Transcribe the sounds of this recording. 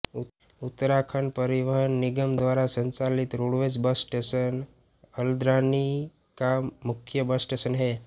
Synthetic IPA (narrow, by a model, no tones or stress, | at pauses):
ut̪ɾakʰənpəɾiʋəɦənːiɡəmd̪ʋaɾasəɲt͡salit̪ɾuɽʋet͡sbəsʈesən | əld̪ɾani | kamːukʰjəbəsʈesənɦe